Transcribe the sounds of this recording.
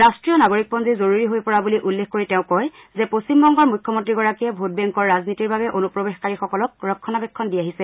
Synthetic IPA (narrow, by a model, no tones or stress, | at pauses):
ɹastɹijɔnaɡoɹik̚pɔnzizoɹuɹiɦojpɔɹabuliʔulːexkoɹitɛ̃ʊ̃kɔjzɛposimbɔŋɡɔɹmujkʰːɔmɔntɹiɡɔɹakiɛbʱot̚bɛŋkɔɹːaznitiɹbabɛʔonupɹɔbexkaɹixɔkɔlɔk̚ɹɔkʰːɔnabɛkʰːɔndiaɦisɛ